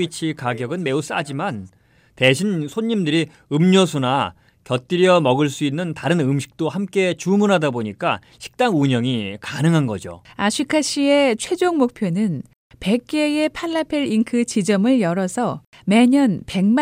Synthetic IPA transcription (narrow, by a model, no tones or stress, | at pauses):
it͡ɕʰikaɡjʌɡɯnme̞us͈ad͡ʑiman | te̞ɕʰinsʰoɲːimdɯɾi | ɯmɲʌsʰuna | kjʌt͈iɾjʌmʌɡɯɭs͈uinːɯntaɾɯnɯmɕʰi̥k̚t͈ohamk͈e̞t͡ɕumunɦadaboɲik͈a̰ | ɕʰi̥k̚t͈aŋuɲʌŋikanɯŋɦanɡʌ̰d͡ʑo̰aɕʰikʰaɕ͈ʰie̞t͡ɕʰwe̞d͡ʑoŋmok̚pʰjonɯn | pe̞k̚k͈e̞e̞pʰaɭːapʰeɾinkʰɯt͡ɕid͡ʑʌmɯɭjʌɾʌsʰʌ | me̞ɲʌnpe̞ŋm